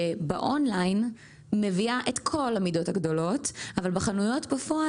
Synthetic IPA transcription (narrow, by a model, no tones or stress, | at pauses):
ebeʔonlajn | meviaʔetkʰo̞lamido̞thaɡdo̞lo̞tavalbeχanujo̞tbafoa